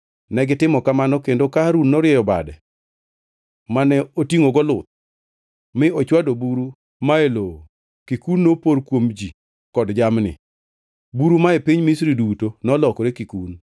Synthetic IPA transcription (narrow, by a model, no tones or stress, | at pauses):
nɛɡɪtɪmɔkamanɔkendokaɾunːɔɾjɛjɔba̰dɛ̰ | manɛotiŋoɡɔlʊt̪̚ | mɪɔt͡ʃwadobuɾu | maeloo | kikunːopoɾkwomd͡ʒi | kɔdd͡ʒamnɪ̰ | buɾumaepiɲmisɾidutonɔlɔkɔɾekikun